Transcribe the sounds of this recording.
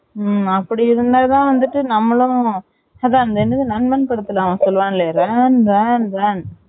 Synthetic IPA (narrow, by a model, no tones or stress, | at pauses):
ɐpːɐɽɪɪɾɯnd̪aːt̪ãːʋɐnd̪ɯʈːɯnɐmːɐɭʊ̃ | ɐðãːɐnd̪ɐɛnːɯðɯnɐnmɐnpɐɽɯt̪ːɯlaːmãːsɔlːʋãːnɪleɾɛːnɾaːnɾaːn